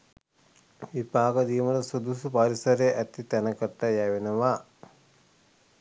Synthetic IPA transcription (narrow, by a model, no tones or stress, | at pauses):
ʋibaːɡɐd̪iːmɐlɐsud̪usupaɾisɐɾejɐʔɛt̪it̪ɛnɐkɐʈːɐjaʋenɐʋa